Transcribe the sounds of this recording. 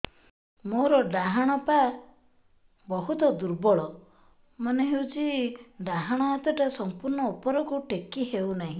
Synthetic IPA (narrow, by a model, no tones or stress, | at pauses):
moɾɔɖaɦaɽ̃ɔpa | bɔɦut̪ɔd̪uɾbɔɭɔ | mɔneɦewt͡ʃʰiɖaɦaɽ̃ɔat̪ɔʈasɔmpuɾɳɔupɔɾɔkuʈekːiɦewnaɦĩ